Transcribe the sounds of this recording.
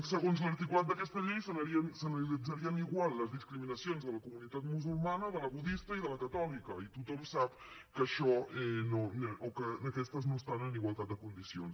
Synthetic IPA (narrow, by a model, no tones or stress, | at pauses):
səɣonzləɾt̪ikulat̪̚d̪əkɛst̪əʎejsənəɾiənsənəlid͡zəɾiəniɣwalˠːəzðiskɾiminəsionzðələkumunit̪at̪muzulˠmanəðələβuðist̪əiðələkət̪ɔlikəit̪ut̪ɔmsap̚ | kəʃɔɛnonokənəkɛst̪əznost̪anəniɣwalˠt̪at̪̚d̪əkund̪isions